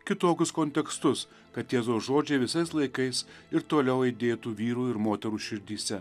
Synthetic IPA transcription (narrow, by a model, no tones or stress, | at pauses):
kʲɪt̪oːkʲʊskonʲt̪ʲɛkst̪ʊs | kɐt̪jeːzoːsʒoːd͡ʒʲɛːʋʲɪsɐɪslˠɐɪkɐɪs | ɪɾt̪oːlʲɛʊiɪd̪ʲeːt̪uːʋʲiːɾuːɪɾmoːt̪ʲɛɾuːʃʲɪɾʲd̪ʲiːsʲɛ